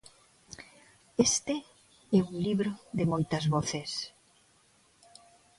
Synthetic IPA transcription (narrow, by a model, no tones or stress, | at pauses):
est̪e | ɛuŋliβɾoðemojt̪ɐzβoθes